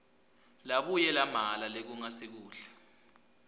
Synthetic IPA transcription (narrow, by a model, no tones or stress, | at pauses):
laɓujɛlamalalek̬uŋasek̬uːɬɛ̥